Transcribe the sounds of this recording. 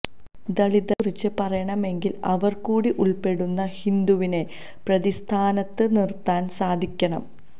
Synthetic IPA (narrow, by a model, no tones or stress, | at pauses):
d̪ɐɭid̪ɐrit͡ɕːɨpɐrɐjɐɳɐme̞ŋɡilɐ̰ʋɐrkuːɽiʔuɭpe̞ɽunːɐhind̪uʋine̞ | prɐðist̪ʰaːnɐt̪ːɨnirt̪ːaːnsaːd̪ʱikʲːɐɳɐm